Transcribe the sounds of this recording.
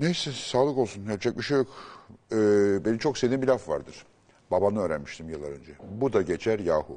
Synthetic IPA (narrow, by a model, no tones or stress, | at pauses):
nejsɛsaːlˠɯko̞lˠsunhɛɾt͡ʃʰɛc̚miʃejokɛːbenimt͡ʃʰo̞ksed̪iːmbilʲafva̰ɾd̪ɯɾ̥ | babanɯøːɾænmiʃt̪ʰimjɯlˠːaɾø̞nd͡ʒɛbud̪aɟe̞t͡ʃʰæɾjaːhu